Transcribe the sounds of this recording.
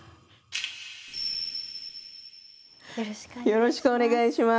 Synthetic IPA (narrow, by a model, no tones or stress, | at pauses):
jo̞ɾo̞ɕi̥kɯone̞ɡaiɕima